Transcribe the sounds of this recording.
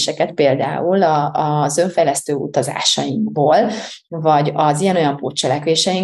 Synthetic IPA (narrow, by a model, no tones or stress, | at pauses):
ʃɛkɛt̪̚peːld̪a̰ːulɒzø̞ɱfɛjlɛst̪øːṵt̪ɒza̰ːʃɒjiŋkboːlvɒɟɒzijɛno̞jɒmpoːt͡ʃːɛlɛkʋeːʃɛjiŋ